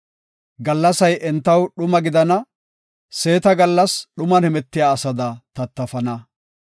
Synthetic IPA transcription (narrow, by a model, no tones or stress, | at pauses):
ɡɐlːɐsɐjʔɛnt̪ːɐwɗʊmɐɡɪd̪ɐnɐ | se̞ːt̪ɐɡɐlːɐsɗʊmɐnhɛmɛt̪ːɪjaːsɐd̪ɐt̪ɐt̪ːɐfɐnɐ